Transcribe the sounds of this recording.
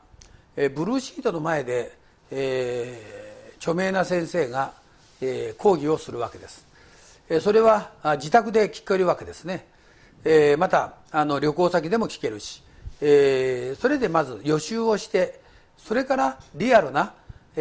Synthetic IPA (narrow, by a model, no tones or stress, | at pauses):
bɯ̟ɾɯːɕiːt̪o̞no̞mae̞d̪e̞ | t͡ɕo̞me̞ːnasẽ̞ɰ̃se̞ːɡa | eko̞ːɡʲio̞sɨɾɯ̟β̞ake̞d̪e̞sɨ̥ | so̞ɾe̞βad͡ʑit̪akɯ̟d̪e̞kʲi̥kːaiɾɯ̟βake̞d̪e̞sɨne̞ | mat̪aː | no̞ɾʲo̞ko̞ːsak̬ʲid̪e̞mo̞kʲi̥ke̞ɾɯ̟ɕi̥ | eso̞ɾe̞d̪e̞mazɨjo̞ɕɨːo̞ɕi̥t̪e̞ | so̞ɾe̞kaɾaɾʲiaɾɯ̟na